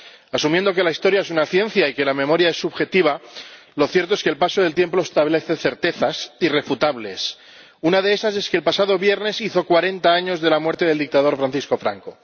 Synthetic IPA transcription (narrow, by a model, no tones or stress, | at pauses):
asumje̞nd̪o̞k̬e̞laist̪o̞ɾjae̞sunaθje̞nθjaike̞lamẽ̞mo̞ɾjae̞sːuβxe̞t̪iβa | lo̞θje̞ɾt̪oeskelpaso̞ðelt̪je̞mploest̪aβle̞θe̞θe̞ɾt̪e̞θasire̞fut̪aβle̞s | unaðe̞esas̬e̞skeːlpasað̞o̞βje̞ɾne̞siθo̞kwaɾe̞nt̪aaɲo̞zðe̞lamwe̞ɾt̪e̞ðe̞ld̪ik̚t̪að̞o̞ɾfɾãnθisko̞fɾa̰ŋko̞